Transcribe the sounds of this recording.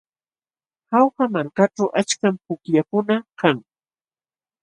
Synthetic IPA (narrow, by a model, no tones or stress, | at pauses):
hawhamaɾkaʈ͡ʂawʔat͡ʃkampʊkjakʊnakaŋ